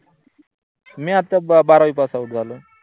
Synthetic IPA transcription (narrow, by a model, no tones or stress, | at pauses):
meat̪ːabaɾaipasauʈ̚d͡zʱalu